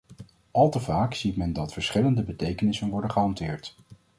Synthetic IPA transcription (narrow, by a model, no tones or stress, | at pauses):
ʔɑlˠtəvaːksitmɛndɑtfəɹsχɪləndəbətejkənɪsənʋɔɹdənχəɦɑntɪːɹt